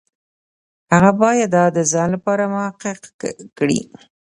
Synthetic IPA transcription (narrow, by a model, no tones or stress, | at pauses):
haɣabɑjad̪ːɑd̪ːəzɑnlapɑɾamʊhaqɪqkɽḭ